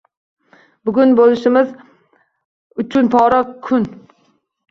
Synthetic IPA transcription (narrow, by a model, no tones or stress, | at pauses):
bʊɡʲʊnbolɪʃɪmɪz | ʊt͡ʃʰʊnpʰɒɾakʰʊn